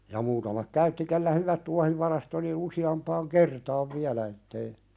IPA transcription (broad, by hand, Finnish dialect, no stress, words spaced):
jɑ muːtɑmɑk kæytːi kelːæ hyʋæt tuɑhiʋɑrɑst oli n̆ĭn̆ usiɑmpɑːŋ kertɑːʋ ʋiælæ etːei